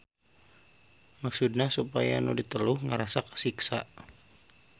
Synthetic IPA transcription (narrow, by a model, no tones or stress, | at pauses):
maksudnahsupaja̰nudit̪əluhŋəɾasaksiksa̰